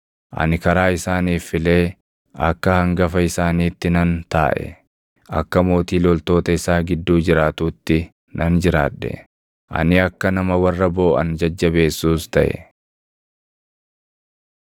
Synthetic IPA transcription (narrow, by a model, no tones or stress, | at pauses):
ʔɐ̰nɪkɐɾaːɪsaːniːfːɪle̞ː | ɐkːɐhɐŋɡɐfɐɪsaːniːt̪ːɪnɐnt̪a̰ːʔɛ̰ | ɐ̰kːɐmo̞ːt̪iːlɔlt̪o̞ːt̪ɐɪsaːɡɪd̪ːuːd͡ʒɪɾaːt̪uːt̪ːɪ | nʔɐnd͡ʒɪɾa̰ːᶑːɛ̰ | ʔɐ̰nɪɐkːɐnɐmɐwɐrːɐboːʔɐ̰nd͡ʒɐd͡ʒːɐbe̞ːsːuːst̪ɐʔɛ̰